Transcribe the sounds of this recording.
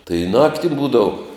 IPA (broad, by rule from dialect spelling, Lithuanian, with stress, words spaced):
tɐɪ ˈnɑːktʲɪ ˈbuːdɐʋʊ